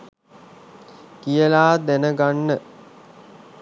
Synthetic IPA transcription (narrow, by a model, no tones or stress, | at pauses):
kijəlaːd̪ænəɡanːə